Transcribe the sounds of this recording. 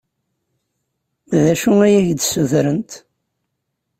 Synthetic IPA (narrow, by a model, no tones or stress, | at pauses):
ðæʃuæjæʝd̪suðɾənt̪